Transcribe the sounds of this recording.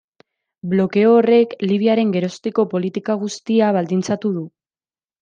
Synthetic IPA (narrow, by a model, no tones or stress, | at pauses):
blo̞ke̞oːre̞kliβ̞iaɾe̞ŋɡe̞ɾo̞st̪iko̞po̞lit̪ikaɣ̞ust̪iaβald̪int͡sat̪uðu